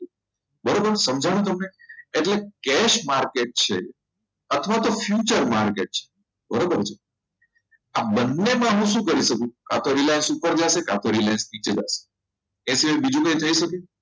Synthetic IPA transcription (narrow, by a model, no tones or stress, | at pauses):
bəɾobəɾsəmd͡ʒʱaɽ̃ũt̪̬əmneːʈlekɛʃmaɾkeʈ̚t͡ʃʰḛ | ət̪ʰʋat̪ofjut͡ʃəɾmaɾkeʈ̚t͡ʃʰe̥ | bəɾobəɾt͡ʃʰe | abənːemãɦũʃũkəɾiʃəkũka̰t̪ʰoɾilajnsupəɾd͡ʒaseka̰t̪ʰoɾilajnsnit͡ʃed͡ʒa̰se̥ | ẽsiʋajbid͡ʒũkə̃it̪ʰəiʃəke